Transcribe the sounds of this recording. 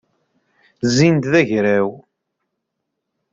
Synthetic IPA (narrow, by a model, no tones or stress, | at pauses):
zːind̪ðæʝɾæw